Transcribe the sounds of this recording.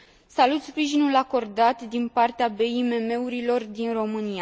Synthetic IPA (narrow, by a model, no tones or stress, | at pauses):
salut̪spɾiʒinulako̞rd̪at̪d̪inpart̪eabe̞ime̞me̞uɾilo̞rd̪inro̞mɨnija